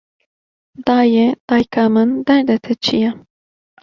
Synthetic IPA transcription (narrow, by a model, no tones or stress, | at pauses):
d̪ɑːjed̪̥ɑːjkaːmɨnd̪ɛɾd̪ɛt̪ʰɛt͡ʃʰijɛ